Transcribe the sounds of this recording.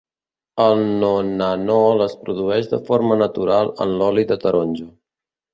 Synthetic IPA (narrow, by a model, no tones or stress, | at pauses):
əlˠnonənɔləspɾuðuɛʒd̪əfoɾmənət̪uɾalˠə̰nlɔliðət̪əɾonʲd͡ʒu